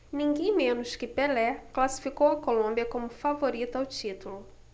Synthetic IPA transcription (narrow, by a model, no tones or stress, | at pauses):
nĩŋɡẽj̃mẽnʊʃkɪpelɛklasi̥fikowɐkolõmbiɐkõmʊfavoɾit̪ʊawt͡ʃit̪ulʊ